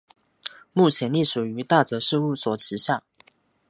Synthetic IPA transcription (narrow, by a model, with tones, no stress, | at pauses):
mu˥˩t͡ɕʰjɛ˧˥nli˥˩ʂu˨˩y˧˥t̪a˥˩t͡sɤ˧˥ʂɻ̩˥˧u˥˩swɔ˨˩t͡ɕʰi˧˥ɕja˥˩